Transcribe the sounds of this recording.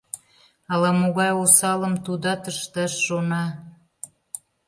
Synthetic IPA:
ɑlɑmoɣɑjosɑləmt̪ud̪ɑt̪əʃt̪əʃːonɑ

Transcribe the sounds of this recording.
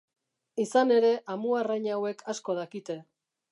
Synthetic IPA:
isane̞ɾe̞ʔamuarajɲawe̞kʰasko̞ð̞akit̪e̞

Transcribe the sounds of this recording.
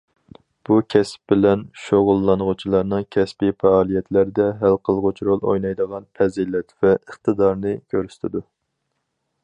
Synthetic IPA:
b̥ukʲʰɛspbɪlɛnʃoʁʊlˠːɑnʁʊt͡ʃʰilˠɑɾnɨŋkʲʰɛspifɛɑːlˠijɛt̪ʰlæɾd̪ɛɦælqʰəlˠʁʊt͡ʃʰɾolˠo̰jnɑjd̪əʁɑnpʰɛzilɛt̪vɛəχt̪ʰɨd̪ɑɾnɨkʲʰøɾyst̪ʰɪd̪u

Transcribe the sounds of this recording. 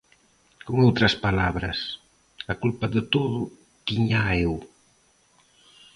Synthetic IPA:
kuŋawt̪ɾɐspalaβɾɐs | akulpaðət̪oðu | t̪iɲaew

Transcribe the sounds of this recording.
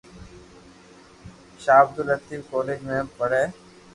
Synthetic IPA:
ʃaːb̚d̪ʊlət̪iːfkoːleːd͡ʒmẽːpəɽeː

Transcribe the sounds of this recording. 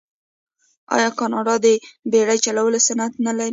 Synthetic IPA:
ɑ̰jɑkɑnɑɖɑd̪əbeɽajt͡ʃalawəlesanat̪nalaɾi

